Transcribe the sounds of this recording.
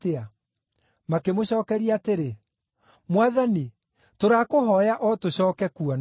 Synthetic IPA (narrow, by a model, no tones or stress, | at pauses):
ea | makemoɕɔːkɛɾiaːteɾe | mwaðani | toɾaːkoɦɔjaʔɔtoɕɔːkɛkuɔn